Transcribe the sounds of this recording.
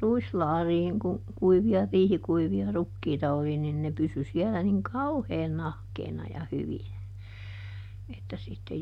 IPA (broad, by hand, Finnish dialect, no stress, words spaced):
ruislɑːriːŋ ku kuiʋiɑ riːhikuiʋiɑ rukːiːtɑ oli nin ne pysy siɛlæ niŋ kɑuheːn nɑhkeːnɑ jɑ hyʋinæ etːæ sitːe